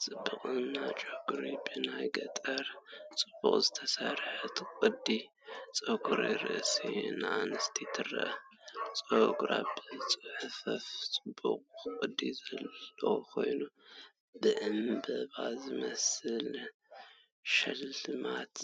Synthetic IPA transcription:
t͡sʼɨbːɨkʼɨnat͡ʃʼoɡɾibɨnajɡɐt̪ʼɐɾt͡sʼɨbːuχʼzɨt̪ʰɐsaɾħɨt̪kʼɨd̪ːi | t͡sʼoɡuɾiɾɨ̰ʔsḭnanɨst̪ʰit̪ʰɨrːɐ̰ʔɐt͡sʼoɡɾa̰bɨt͡sʼɨħɨfɐft͡sʼɨbːuqʼɨkʼɨd̪izɐlːɐkʰo̞̰jnu | bɨʕɨmbɐβazɨmɐsɨl | ʃɐlɨmat̪

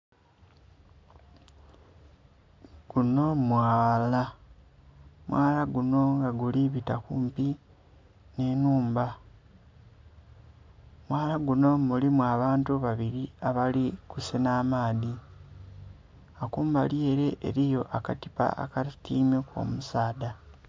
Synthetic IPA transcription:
ɡ̥uno̞mwaːla | mwaːlaɡuno̞ŋɡaɡuliβitakumpi | ne̞nuːmba | mwaːlaɡuno̞mulimwaːβaːntuβaβiɾiaβalikusenaːmaːði | akuːmbaljeːɾe̞ʔḛɾijo̞ʔakatipa̰ʔa̰katiːmeko̞̰musaːda

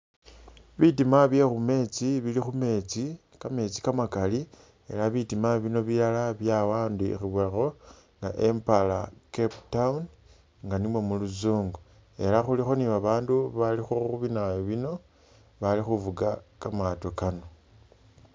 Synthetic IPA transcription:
βitimaβje̞xume̞ːt͡siβilixume̞t͡si | kame̞t͡si̥kamakali | e̞̰laβitimaβino̞βilalaβjawaːnduḭxiβuaxo̞ | ŋɡa̰ʔe̞mpalakeptaun | ŋɡanimwe̞muluzuːŋɡo | e̞laxulixo̞niβaβaːnduβalixoxuβinajoβino̞ | βalixuvuɡakamatokano̞

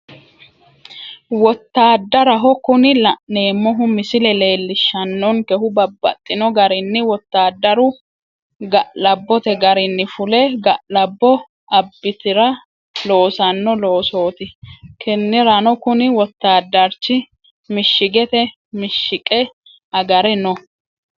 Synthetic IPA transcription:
wɔt̪ːaːd̪ːɐɾɐɦɔkʊnɪlne̞ːmːɔɦʊmɪsɪlɛle̞ːlːɪʃːɐnːɔnkɛhʊbɐbːɐ̰t̪ʼːɪnɔɡɐɾɪnːɪwɔt̪ːaːd̪ːɐɾʊ | ɡɐlɐbːɔt̪ɛɡɐɾɪnːɪfʊlɛɡɐlɐbːɔ | ɐbːɪt̪ɪɾɐ | lo̞ːsɐnːɔlo̞ːso̞ːt̪ɪkʰɛnːɪɾɐnɔkʊnɪwɔt̪ːaːd̪ːɐɾt͡ʃːɪ | mɪʃːɪɡɛt̪ɛ | mɪʃːɪkʼɛ | ɐɡɐɾɛnɔ

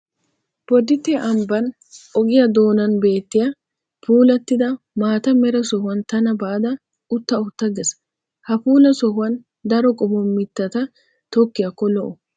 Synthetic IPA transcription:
b̥ɔd̪ɪt̪ːeʔɐmbɐn | ɔɡɪjɐd̪o̞ːnɐnbe̞ːt̪ːɪjɐ | puːlɐt̪ːɪd̪ɐ | maːt̪ɐmɛɾɐsɔhɐnt̪ɐnɐbaːd̪ɐ | ʊt̪ːɐʊt̪ːɐɡɛs | hɐfuːlɐsɔhʊɐn | d̪ɐɾɔkʼɔbɔmːɪt̪ːɐt̪ɐ | t̪ɔkːɪɐkːɔlɔʔʊ

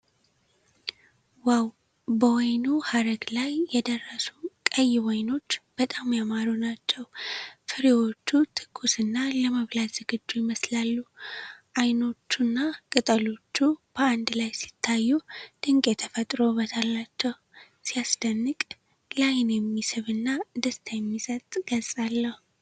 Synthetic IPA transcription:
waw | bəwɔjnuhaɾəɡlajːɛd̪ərːəsunkʼəjːɪwɔjno̞t͡ʃːb̥ət̪ʼamjamaɾonat͡ʃːɛwfɨɾewo̞t͡ʃːut̪ʰɨ̥kʼːusɨnːaləməβlat̪z̥ɨɡɨd͡ʒːujɪməslalːuʔajno̞t͡ʃːunːakʼɨt̪ʼəlo̞t͡ʃːub̥əand̪lajsi̥t̪ʰːajːud̪̥ɨŋkʼet̪ʰəfət̪ʼɾo̞βət̪ʰalːat͡ʃːɛwu | sijasd̪̥ənːɨkʼ | lajnjɛmːisɨβɨnːad̪əst̪ʰajɛmːisʼət̪ʼɡ̥əlsʼalːəhu

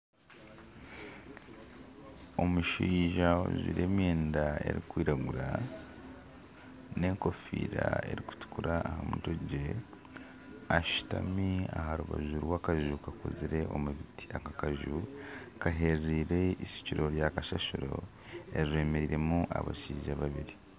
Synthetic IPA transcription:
o̞muʃiːʒao̰zḭɾeːmeːndae̞̰ɾikwiːɾaɡuɾa | ne̞ŋko̞fḭːɾae̞̰ɾiku̥tu̥kuɾaːhamutoɟe̞ | aʃu̥ta̰miaɦaɾuβa̰ʒuɾwakaʒukakoziɾe̞ʔomuβitiakakaʒukaɦe̞ɾiɾe̞isi̥ciɾo̞ɾjakaʃaʃuɾo̞̰ | eɾiɾe̞ːme̞ɾiɾe̞muʔa̰βaʃiːʒaβaβiɾi

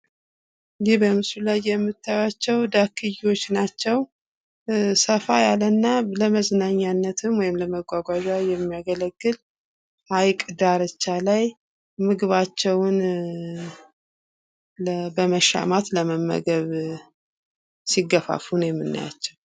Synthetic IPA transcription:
ɨibəmɨsulajːɛmːɨt̪ʰːajat͡ʃːɛwd̪akʰːɨjiwo̞t͡ʃːnat͡ʃːɛw | səfajalənːaləməznaɲːanːət̪ʰɨmwɔjɪmləməɡʷaɡʷaʒajɛmːijaɡələɡːɨl | ʔajkʼd̪aɾət͡ʃːalaj | mɨɡɨβat͡ʃːɛwʊn | bəməʃa̰mat̪ləməmːə̰ɡəβ | siɡəfa̰funjɛmːɨnːa̰ja̰t͡ʃːɛw

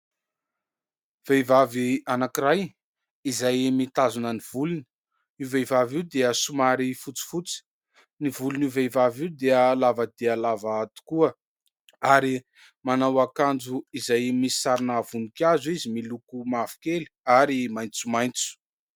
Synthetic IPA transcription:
v̥ejvavianakiɾaj | izajmit̪azunəniv̥uluni̥ | ivejvaviwd̪eəsumaɾifut͡si̥fut͡si̥ | nivulunivejvaviwd̪eəlavəd̪ealavat̪u̥kuə | aɾi | manawakand͡zuizajmisi̥saɾinəvunikʲazuizimilukumavi̥keli̥aɾimajnt͡sumajnt͡su̥

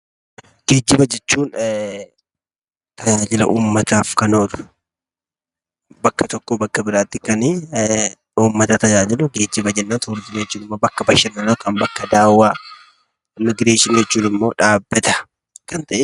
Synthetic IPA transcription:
ɡ̥eːd͡ʒːɪbɐd͡ʒɛt͡ʃːuːn | t̪ɐd͡ʒaːd͡ʒɪlɐ̰ʔuːmːɐt̪aːfkɐnoːd̪ʊ̥ | bɐkːɐt̪ɔkːoːbɐkːɐbɪɾaːt̪ːɪkɐni | uːmːɐt̪ɐt̪ɐd͡ʒaːd͡ʒɪlʊɡeːd͡ʒːɪbɐd͡ʒɛnːaːnt̪ʊʊɾd͡ʒɪnjɛt͡ʃːuːnɪmːoːbɐkːɐbɐʃɪnːɐnɐkɐnbɐkːɐd̪aːwːaː | mɪɡɾe̞ːʃɪnjɛt͡ʃːuːnɪmːo̞ːᶑaːbːɛt̪ɐ̥ | kɐnt̪ɐʔɪ

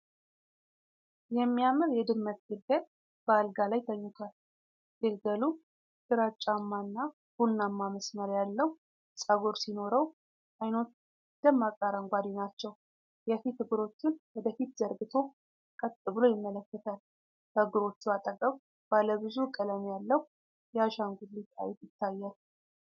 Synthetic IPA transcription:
jɛmːijamɨɾjɛd̪ɨmːət̪ɡɨlɡəl | b̥əalɡalajt̪ʰəɲːʊt̪ʰal | ɡ̥ɨlɡəlu | dɨɾat͡ʃʼːamːanːa | hunːamːaməsməɾjalːəwu | sʼaɡoɾsino̞ɾəw | ʔajno̞t̪ | d̪̥əmːakʼaɾəŋɡʷad̪inat͡ʃːɛw | jɛfit̪hɨɡɨɾo̞t͡ʃːɪnwɔd̪əfit̪zəɾɡɨt̪ʰo̞ | kʼət̪ʼːɨβɨlo̞jɪmːələkːət̪ʰal | kəhɨɡɨɾo̞t͡ʃːuat̪ʼəkʼəw | b̥aləbɨzukʼələmijalːəhu | jɛaʃaŋɡud̪lit̪ʼa̰jt̪jɪt̪ːajːal

